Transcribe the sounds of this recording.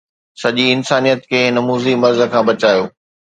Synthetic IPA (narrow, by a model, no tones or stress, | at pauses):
sɐʄiɪnsaːnijət̪kʰeːɪnɐmuːzimɐɾzə̆kʰãːbɐt͡ɕaːjoː